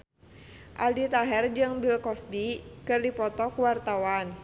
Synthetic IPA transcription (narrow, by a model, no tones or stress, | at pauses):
ʔaldit̪aɦɛrd͡ʒɨŋbilkɔsbikɨrdipɔt̪ɔkuwart̪awan